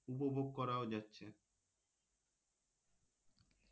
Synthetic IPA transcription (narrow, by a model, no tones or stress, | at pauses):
upobʱoɡ̚kɔɾaod͡ʑatːɕʰe